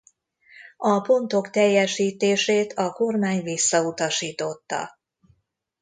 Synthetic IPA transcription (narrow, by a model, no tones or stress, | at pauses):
ɒpo̞nt̪o̞kt̪ɛjːɛʃiːt̪eːʃeːt̪ʰɒko̞rmaːɲvisːɒut̪ɒʃiːt̪o̞t̪ːɒ̰